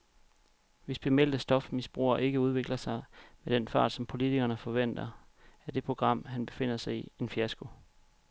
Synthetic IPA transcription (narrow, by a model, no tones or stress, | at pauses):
ʋe̝sb̥emel̰d̥əsd̥ɒ̽fmisb̥ʁṵːɐʔe̝ɡ̥əuð̞ˠʋe̝ɡ̥lɐsɑ̈ɪmed̥enfɑ̰̈ːd̥sɒ̽mpʰo̝lit͡sʰiɡ̥ɐnəfɒ̽ʋen̰d̥ɐæɐd̥e̝pʰʁo̝ɡ̥ʁɑ̈m̰ɦænb̥e̝fe̝n̰ɐsɑ̈ɪie̝nfiæsɡ̥o̝